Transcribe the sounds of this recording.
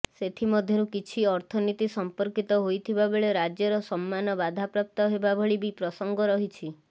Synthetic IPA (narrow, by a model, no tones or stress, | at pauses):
set̪ʰimɔd̪ʱjɔɾukit͡ʃʰiɔɾt̪ʰɔnit̪isɔmpɔɾkit̪ɔɦojt̪ʰibabeɭeɾad͡ʒjɔɾɔsɔmːanɔbad̪ʱapɾap̚t̪ɔɦebabʱɔɭibipɾɔsɔŋɡɔɾɔɦit͡ʃʰi